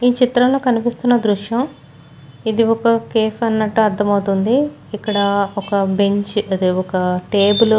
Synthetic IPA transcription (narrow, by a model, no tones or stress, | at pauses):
iːt͡ʃit̪ɾɐːlo̞ːkɐnipist̪unːɐd̪ɾuʂjɐm | id̪iɔkɐkeːfɐnːɐʈːuɐɾd̪ːɐmɐwut̪und̪iː | kːɐɽɐɔkɐbe̞ɲt͡ʃɐd̪iɔkɐʈeːbul